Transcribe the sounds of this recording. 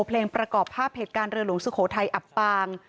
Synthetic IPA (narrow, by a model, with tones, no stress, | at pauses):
pʰleː˧ŋpɾa˧kɔː˨˩pʰːaː˥˩p̚heː˨˩t̪̚kaː˧nɾɯ˧əlu˩˦ŋsu˧kʰoː˩˦t̪ʰa˧jʔa˨˩pːaː˧ŋ